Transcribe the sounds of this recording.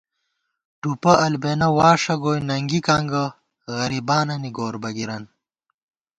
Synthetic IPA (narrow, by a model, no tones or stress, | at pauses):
ʈupɐʔɐlbenɐwaːʂɐɡoːjnɐŋɡikaŋɡɐ | ɣɐɾibaːnɐniɡoːɾbɐɡiɾɐn